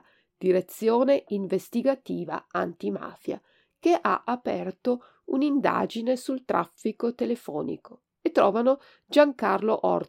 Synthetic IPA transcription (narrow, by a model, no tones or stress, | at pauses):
d̪̥iɾet̪sːjoːneʔiɱvest̪iɡat̪iːva̰ant̪ima̰ːfja̰ | keʔa̰ʔapɛrt̪o | unind̪a̰ːd͡ʒinesult̪ɾʔa̰fːikot̪elefɔ̰ːnḭko | et̪ːɾɔːvano | d͡ʒaŋkarloʔɔ̰r